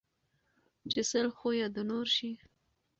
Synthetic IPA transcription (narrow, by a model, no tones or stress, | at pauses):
t͡ʃɪsəlxojad̪ənoɾʃi